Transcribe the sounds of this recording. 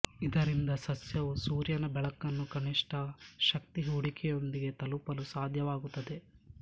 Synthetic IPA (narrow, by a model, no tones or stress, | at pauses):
id̪ɐɾind̪ɐsɐsjɐʋusuːɾjɐnɐbɛɭɐkːɐnːukɐniʂʈɐʃɐk̚t̪iɦuɽikʰɛjo̞nd̪iɡe̞t̪ɐlupɐlusaːd̪ʱjɐʋaːɡut̪ːɐd̪e̞